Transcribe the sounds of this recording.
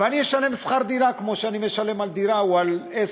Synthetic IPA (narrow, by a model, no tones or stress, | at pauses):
vanieʃalemsχaɾd̪iɾakmoʃanimeʃalemald̪iɾawale